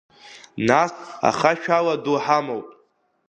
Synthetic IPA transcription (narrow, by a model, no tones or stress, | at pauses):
nasa̰χaʃᶣaladuħamowpʼ